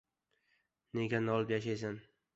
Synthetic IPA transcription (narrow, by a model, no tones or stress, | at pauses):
ne̞ɡʲanɒlˠɪpjaʃajs̬an